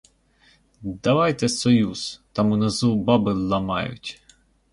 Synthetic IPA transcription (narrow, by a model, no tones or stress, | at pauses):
d̪ɐʋɑjt̪ɛsɔjuz̥t̪ɑmunɐzubɑbɪlˠɐmɑ̰jʊ̰tʲ